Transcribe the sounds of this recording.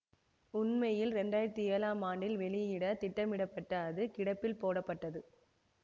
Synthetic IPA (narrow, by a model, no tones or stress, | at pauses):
ʊnmɐjɪlɾɛɳɖaːjɪɾɐt̪ːieːlaːmaːɳɖɪlʋɛɭɪjɪɽɐt̪ɪʈːɐmɪɽɐpːɐʈːɐːðɯkɪɽɐpːɪlpoːɽɐpːɐʈːɐðɯ